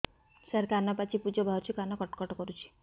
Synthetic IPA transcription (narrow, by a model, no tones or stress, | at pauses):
saɾkanɔpat͡ʃipud͡ʒɔbʱaɔt͡ʃʰukanɔkɔʈɔ̥kɔʈɔkɔɾut͡ʃʰi̥